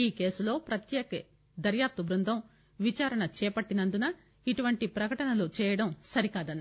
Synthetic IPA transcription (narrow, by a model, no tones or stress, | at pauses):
iːke̞ːsulo̞ːpɾɐt̪jɛːkɐ | d̪ɐɾjaːp̚t̪ubɾund̪ʱɐm | ʋit͡ʃaːɾɐɳɐt͡ʃɛːpɐʈːinɐnd̪unɐ | iʈuʋɐɳʈipɾɐkɐʈɐnɐlut͡ʃɛːjɐɽɐmsɐɾikaːd̪ɐnːɐ